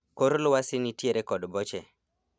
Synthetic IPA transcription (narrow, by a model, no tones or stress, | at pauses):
koɾlʊwasɪnitjeɾekɔdbɔt͡ʃɛ